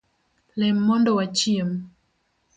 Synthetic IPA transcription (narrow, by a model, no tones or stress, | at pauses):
lɛmːɔndɔwat͡ʃjiem